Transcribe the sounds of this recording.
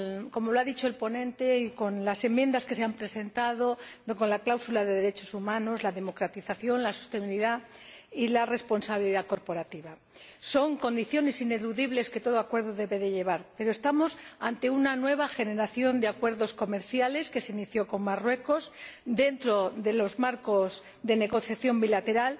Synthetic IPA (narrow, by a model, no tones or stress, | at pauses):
komo̞loaðit͡ʃo̞elpo̞nẽ̞nt̪e̞iko̞nlase̞mːje̞nd̪aske̞seampɾe̞se̞nt̪aðoko̞nlaklawsulaðe̞ðeɾe̞t͡ʃo̞sumãno̞zlaðe̞mo̞kɾat̪iθaθjo̞nlasu̥st̪e̞miliðailare̞spo̞nsaβiliðako̞ɾpo̞ɾat̪iβa | so̞ŋko̞nd̪iθjo̞ne̞sine̞luðiβle̞sket̪oð̞o̞akwe̞ɾðoðe̞βe̞ðe̞ʎe̞β̞aɾpe̞ɾost̪amo̞sant̪e̞unanwe̞β̞axe̞ne̞ɾaθjo̞nd̪eakwe̞ɾðo̞sko̞me̞ɾθjale̞ske̞seiniθjo̞ko̞ŋmarwe̞ko̞sd̪e̞nt̪ɾo̞ðe̞lo̞zmaɾko̞z | ðe̞ne̞ɣo̞θjaθjo̞mbilat̪e̞ɾal